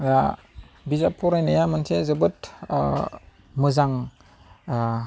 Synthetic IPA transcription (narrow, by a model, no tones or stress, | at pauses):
a | bizapʰuɾajnajamɯntʰezɯbɯt | mɯzaŋ